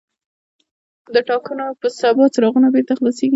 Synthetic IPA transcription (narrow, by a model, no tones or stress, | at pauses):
d̪əʈɑkənopəsabɑt͡sɾɑɣunabeɾt̪axlɑseɡi